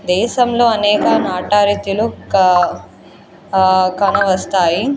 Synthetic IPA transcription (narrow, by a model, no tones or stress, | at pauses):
d̪ɛːʃɐmlo̞ːɐnɛːkɐnaːʈaːɾit̪ulu | kɐnɐʋɐst̪aːji